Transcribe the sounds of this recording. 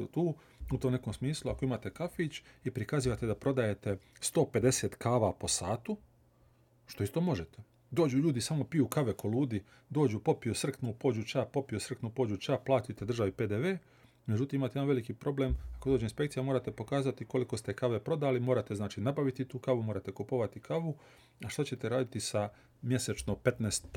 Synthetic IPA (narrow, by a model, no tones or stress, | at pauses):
t̪uː | ut̪omne̞komsmiːsluako̞imaːt̪e̞kafit͡ʃipɾikaziːʋat̪e̞d̪apɾo̞d̪aje̞t̪e̞st̪o̞ːpe̞d̪e̞seːt̪kaːʋapo̞saːt̪u | ʃt̪o̞ist̪o̞mo̞ʒet̪e | d̪o̞ːd͡ʑuʎuːd̪isaːmo̞pijukaʋeko̞luːd̪i | d̪oːd͡ʒupo̞pijusr̩k̪nupo̞ːd͡ʒut͡ʃapo̞pijusr̩k̪nupo̞ːd͡ʒut͡ʃaplˠaːt̪it̪e̞d̪ɾr̩ʒaʋiped̪eʋe̞ː | med͡ʑut̪iːmimaːt̪ejanʋe̞likipɾʔo̞blemakodoːd͡ʒeinspe̞kt̪ijamoːɾat̪e̞po̞kaːzat̪iko̞liko̞st̪ekaːʋe̞pɾo̞d̪aːlimo̞ːɾat̪e̞znaːt͡ʃiːnabaʋit̪it̪uːkaʋumoːɾat̪e̞kopoʋat̪ikaʋu | aʃt̪at͡ɕe̞t̪eɾaːd̪it̪isa | mje̞set͡ʃnope̞t̪neːst̪